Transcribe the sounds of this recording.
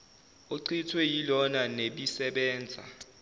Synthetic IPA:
oǀʰitʰwɛjilɔnaneɓisɛɓɛːnd͡zʱa̰

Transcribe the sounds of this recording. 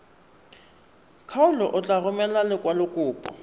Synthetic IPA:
kʰaʊlɔʔʊt͡ɬʼaɣʊmɛlalɪkʼwalʊkʼʊːpʼɔ̰

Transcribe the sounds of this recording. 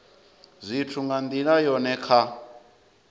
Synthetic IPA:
zʷitʰuŋɡand̪iɺajɔnɛkʰa

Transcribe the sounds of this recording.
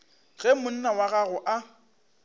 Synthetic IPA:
ɣ̥ɛmʊn̩nawaɣaɣʊʔa

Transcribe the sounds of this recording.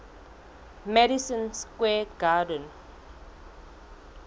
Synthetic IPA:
mɛɾisə̃nskwɛɡadə̃n

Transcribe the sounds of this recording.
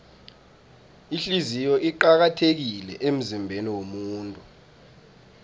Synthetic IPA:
iɬizijɔʔiǃak̬atʰek̬ilɛ̰ʔem̩zimbʱeniwomuːntʼu

